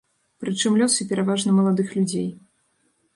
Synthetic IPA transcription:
pɾɨt͡ʂɨmlʲɔsɨpʲɛɾavaʐnɐmɐlˠad̪ɨxlʲud͡zʲej

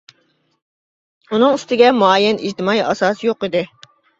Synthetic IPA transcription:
unɨŋyst̪ɪɡʲɛmuɑjɛnid͡ʒt̪ɪmɑjɑsɑːsjoqid̪ɪ

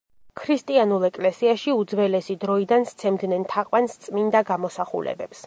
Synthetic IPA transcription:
kʰɾist̪ʼianulˠɛkʼlɛsiaʃiud̪zvɛlɛsid̪ɾɔid̪anst̪sʰɛmd̪nɛnt̪ʰaqʼwanst̪sʼmind̪aɡamɔsaχṵlɛ̰bɛ̰ps

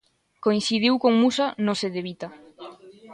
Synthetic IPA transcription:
koinθiðiwkoŋmusanoseðeβit̪ɐ

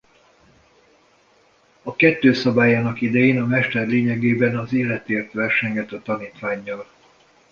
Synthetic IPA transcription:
ɒkɛt̪ːøːsɒbaːjaːnɒkid̪ɛjeːnɒmɛʃt̪ɛrleːɲɛɡeːbɛnɒzeːlɛt̪eːrt̪ʋɛrʃɛɲɡɛt̪øt̪ːɒniːt̪ʋaːɲːɒl

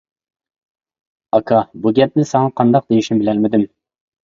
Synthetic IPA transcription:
ɑkʰɑbuɡʲɛp̚nɪsɛŋɑqʰɑnd̪ɑq̚d̪ejiʃimbɪlɛlmɪd̪ɪm

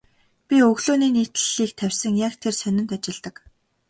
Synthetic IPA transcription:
pʲiɵɣɮoːniːniːt̪ɘɮiːk̚t̪ʰæwʲsə̆ŋjakt̪ʰersœnʲɪ̆n̥t̪at͡ɕɪ̆ɮt̪ə̆k

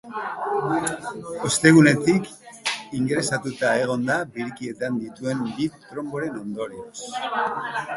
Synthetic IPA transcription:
o̞st̪e̞ɣ̞une̞t̪ikiŋɡɾe̞sat̪ut̪ae̞ɣ̞o̞nd̪abiɾkie̞t̪and̪it̪ue̞mbit̪ɾo̞mbo̞ɾe̞no̞nd̪o̞ɾios

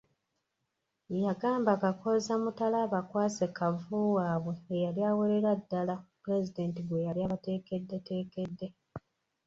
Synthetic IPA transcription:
jaɡaːmbakakozamutalaːβakwaːse̞kavuːwaːβwe̞ːjaljaːweɾe̞ɾadːalapuɾe̞zide̞ːntiβwe̞jaljaːβate̞ːke̞dːete̞ːke̞dːe̞

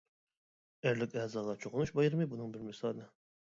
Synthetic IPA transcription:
æɾlɪkʲɛzɑʁɑt͡ʃʰoʁʊnuʃbɑjɨɾmɨbunɨŋbɪɾmɪsɑlnɨ

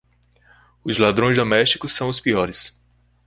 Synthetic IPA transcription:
ʊzlad̪ɾõj̃zd̪omɛʃt͡ʃi̥kʊsːɐ̃w̃ʊspiɔɾɪs

